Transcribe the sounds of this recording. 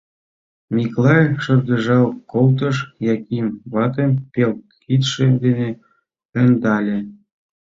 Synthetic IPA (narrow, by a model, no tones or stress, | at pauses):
mʲiklˠɑjʃɤ̆rd̪ɤ̆ʒɑlˠkolˠt̪̬ɤ̆ʃjɑkimβɑt̪ɤ̆mpʲel | kit̪ʃĕd̪ene | ɘ̆nd̪ɑlʲĕ